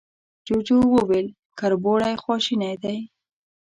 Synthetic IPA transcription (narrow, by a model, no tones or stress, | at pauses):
d͡ʒot͡ʃowəwel | kaɾboɽajxwɔʃinajd̪aj